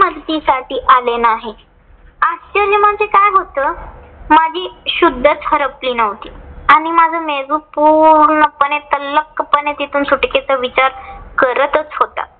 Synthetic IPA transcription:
mədt̪iːsaʈiːʔalenaɦe | asəlimant͡sekajɡʱot̪əː | mad͡ʑʱiːɕud̪ʱːət͡sɦəɾəpliːnəʋt̪iːaɽ̃imad͡zʱəmed͡zupuɾɳəpənet̪ələkːəpənet̪it̪ʰuːnsuʈket͡səʋit͡ɕaɾkəɾət̪ət͡sɦot̪a̰

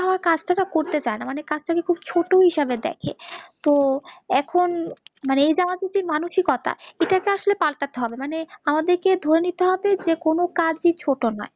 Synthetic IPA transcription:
ɦɔoaɾkad͡ʑʈaʈakoɾt̪et͡ɕaenamanekad͡ʑʈakekʰub̚t͡ɕʰoʈoɦiʃabed̪ɛ̰kʰḛt̪oɛkʰonmaneejd͡ʑamad̪id͡ʑimanuʃikɔt̪ʰa̰eʈakeaʃolepalʈat̪eɦɔbemaneamad̪eɾked̪ʱoɾenit̪eɦɔbed͡ʑekonokad͡ʑit͡ɕʰoʈonɔ̰e

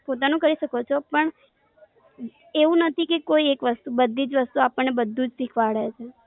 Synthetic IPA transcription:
pot̪̬anũkəɾiʃəkot͡ʃʰopəɳ | eʋũnət̪ʰikekoiekʋəst̪ubəd̪ʱːid͡ʒʋəst̪uapəɳːebəd̪ʱːũd͡ʒsikʰʋaɽet͡ʃʰe

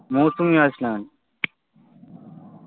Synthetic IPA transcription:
moːsumjaːslaːn

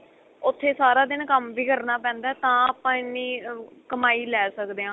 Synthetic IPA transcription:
ʊt̪ʰːeːsaːɾaːd̪ɪnkəmʋiːkəɾnaːpɛ̃ːnd̪aɛːt̪ãːaːpãːɪnːiːkəmaːiːlɛːsəkd̪eːãː

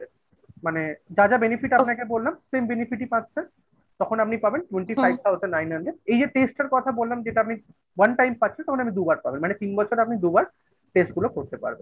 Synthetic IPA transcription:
maned͡ʑad͡ʑabenifiʈanɛkebollamsembenifiʈipãtːɕʰen | t̪ɔkʰonap̚nipabenʈweɳʈifʰajb̚t̪ʰawzənɖnajnɦəɳɖeɖejd͡ʑeʈesʈeɾkɔt̪ʰabolːamd͡ʑeʈaap̚ni | wanʈajmpaent̪ɔkʰonamid̪ubaɾpa̰benmanet̪inbɔt͡ɕʰoɾapnid̪ubaɾ | ʈesʈɡulokoɾt̪epa̰ɾbḛn

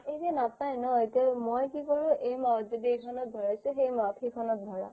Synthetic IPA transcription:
ejzɛnapnajnɔetiamojkikɔɹuʔejmaɔt̪zɔdiejkʰɔnɔt̪̚dʱɔɹajsʊxejmapʰikʰɔnɔt̪̚dʱɔɹa̰

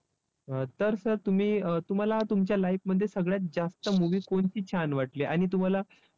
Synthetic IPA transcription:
ət̪əɾsəɾt̪um̤iːət̪um̤alat̪umt͡ɕjalajk̚məd̪ʱːjesəɡɭjat̪̚d͡zast̪əmuʋiːkoɳt͡ɕiːt͡ɕʰanʋaʈleʔaɽ̃it̪̬um̤ala

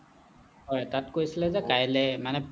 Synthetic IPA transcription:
hɔjtatkojsilɛzɛkajlɛmanɛ

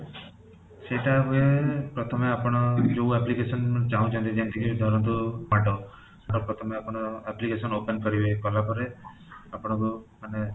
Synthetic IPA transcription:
seʈapuepɾɔt̪ʰɔmeapɔɽ̃ɔd͡ʒouɛplikesɔnt͡ʃaɦũt͡ʃʰɔnt̪id͡ʒ̪ent̪ʰikʰiid̪ʱɔɾɔnt̪umaʈɔ | ʈɔpɾɔt̪ʰɔmeapɔɽ̃ɔɛplikesɔnopenkɔɾibekɔlapɔɾe | apɔɽ̃ɔ̃kumane

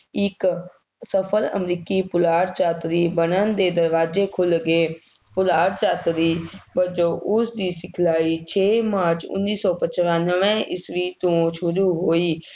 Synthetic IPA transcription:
ɪk | səpʰələ̰mɾiːkiːpʊlaːɽt͡ʃaːt̪ɾiːbənənd̪eːd̪əɾʋaːd͡ʒeːkʰʊlɡeːpʊlaːɽt͡ʃaːt̪ɾiːbəd͡ʒõːʔʊsd̪iːsɪkʰlaːiːt͡ʃʰeːmaːɾt͡ʃʊ̰nːiːsɔːpət͡ʃʋanəʋɛ̃ːʔɪsʋiːt̪ũːʃʊɾuːɦoːiː

